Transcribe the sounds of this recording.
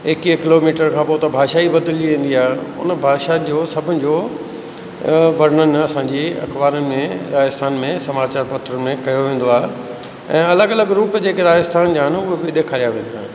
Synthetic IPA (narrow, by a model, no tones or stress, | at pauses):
eːkikɪloːmiːʈəɾkʰãːpot̪ɐbʱaːʃaːibɐd̪əld͡ʑiʋẽːn̆d̪iaːɦeʊ̰nbʱaːʃad͡ʑoːsɐbʱʊnɪ̆d͡ʑoː | ʋɐɾ̤əɳənɪ̆ɐsãɲd͡ʑiɐ̰kʋaːɾənɪmẽɾaːəst̪ʰaːnmẽsɐmaːt͡ɕaːɾpɐt̪ɾəmẽkɐjoʋẽːn̆d̪oaːɦe | ɛ̃ːɐləɡɐləɡɾuːpd͡ʑeːkeɾaːjəst̪ʰaːnd͡ʑaːɦɪnɪʊɦebɪɗeːkʰaːɾijaʋẽːnd̪aːɦɪ